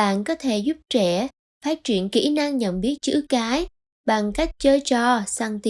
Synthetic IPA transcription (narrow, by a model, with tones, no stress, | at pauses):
a̰ː˧˨nkɔ˨˦t̪ʰe˧˩zʊ˦˥p̚t͡ɕɛ˧˩ | faː˦˥t̚t͡ɕwi˧˩ənkḭ˧˩˥na˧ŋɲə̰˧˨nɓi˦˥ət̚t͡ɕɨ̰˧˥kaː˨˦j | ɓa˨˩ŋka˦˥jk̟̚t͡ɕəː˧jt͡ɕɔ˧˩saː˧ŋt̪i˧